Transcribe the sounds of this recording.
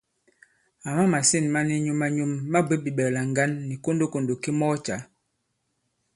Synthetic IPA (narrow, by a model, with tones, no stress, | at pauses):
a˨ma˦ma˨si˦˨nma˦ni˦ɲu˦ma˦ɲu˦mːa˦be˦bi˨ɓɛ˨la˨ŋ˦ɡa˦nːi˨ko˦ndo˦ko˨ndo˨ki˦mɔ˦t͡ʃa˨˦